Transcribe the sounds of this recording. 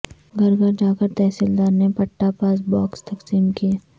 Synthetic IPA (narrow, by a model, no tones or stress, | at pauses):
ɡʱɐɾɡəɾd͡ʒaːkəɾt̪ɛːsild̪aːɾnepɐʈːapaːsbɔːkst̪ɐksiːmkieː